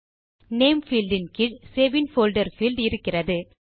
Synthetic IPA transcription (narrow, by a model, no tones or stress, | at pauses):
neːmfilɖɪnkɪɻseːʋɪnfoːlɖɐɾfilɖɪɾɯkːɪrɐðɯ